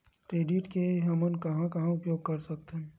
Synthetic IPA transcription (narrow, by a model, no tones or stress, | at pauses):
kɾeːɖɪʈkeɦɐmənkɐɦãkɐɦãʊpjoːɡ̚kɐɾsɐkt̪e